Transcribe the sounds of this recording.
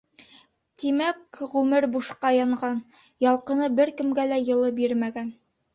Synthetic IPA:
t̪imækʁʉmɘɾbuʃqɑjɑɴɢɑn | jɑlˠqɤ̆nɤbɘɾkɘ̆mɡælæjɤ̆lˠɤbiɾmæɡæn

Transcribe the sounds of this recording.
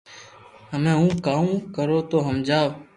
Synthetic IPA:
ɦəmẽːũːkaːũːkəɾoːt̪oːɦəmd͡ʒaːʋ

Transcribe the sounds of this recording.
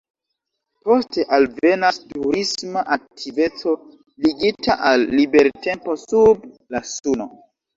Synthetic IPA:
po̞ste̞ʔalve̞nastuɾismaʔak̚tʰive̞t͡so̞ | liɡitʰaʔalːibe̞ɾte̞mpo̞sub | lasuno̞

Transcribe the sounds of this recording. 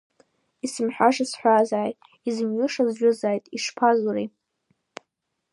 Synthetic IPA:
isɨmħʷᶣaʂasħʷazaːjtʼ | izɨmɥʊʂazʒʷᶣʊzaːjtʼiʂpʰazuɾi

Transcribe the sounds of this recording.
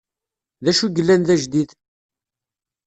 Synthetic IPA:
ðæʃuʝəlːænðæʒd̪iθ

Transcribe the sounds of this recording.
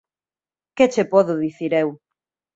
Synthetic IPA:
ket͡ʃepɔðʊðiθiɾew

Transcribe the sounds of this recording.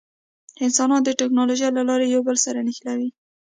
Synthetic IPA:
ɪnsɑnɑnd̪əʈɪknɑloʒalalɑɾejawbəlsaɾanɪxlawi

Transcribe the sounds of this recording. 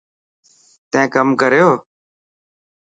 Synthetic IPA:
t̪ɛ̃ːkəmkəɾjoː

